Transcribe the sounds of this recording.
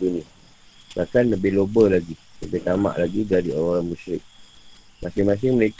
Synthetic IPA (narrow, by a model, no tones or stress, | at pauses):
unia | bakanləbɪhlobəlaɡiləbɪht̪ama̰ʔlaɡid͡ʒadioɾaoɾaŋmũʃɾɪk̚ | masɪŋmas̬ɪŋməlek